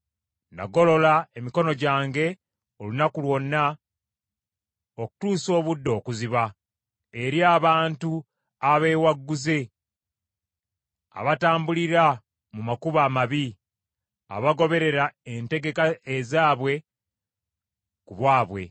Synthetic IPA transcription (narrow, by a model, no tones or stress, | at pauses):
nda̰ɡo̞lo̞laemiko̞no̞ɟaːŋɡe̞ | o̞lunakulwo̞nːa | oku̥tuːso̞ːβudːo̞ːkuziβa | eɾjaːβaːntu | aβe̞ːwaɡːuze̞ | a̰βataːmbuliɾa | mumakuβaːmaβi | a̰βaɡo̞βe̞ɾe̞ɾaente̞ɡe̞kaezaːβwe̞ | kuβwaːβwe̞̰